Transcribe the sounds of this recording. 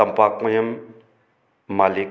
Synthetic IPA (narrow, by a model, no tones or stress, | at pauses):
ɐmpak̚mɐjəm | alik